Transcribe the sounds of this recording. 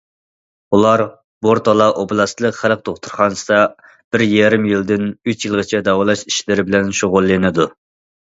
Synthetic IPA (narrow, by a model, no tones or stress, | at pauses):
ulˠɑɾ | boɾt̪ʰɑlˠɑʔoblˠɑst̪lˠəqχælˠəq̚t̪ʰoχt̪ʰuɾχɑnsɨd̪ɑ | b̥ɪɾjɛɾɪmjild̪ɪnyt͡ʃjilˠʁət͡ʃʰɛd̪ɑwɑlˠɑʃi̥ʃlɪɾɪbɪlɛnʃoʁʊlˠːɨnɨd̪u